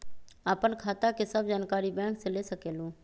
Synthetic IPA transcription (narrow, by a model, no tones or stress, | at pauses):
aːpənkʰaːt̪akesəbʱd͡ʒaːnkaːɾibɛ̃ːŋkselesəkeːlũː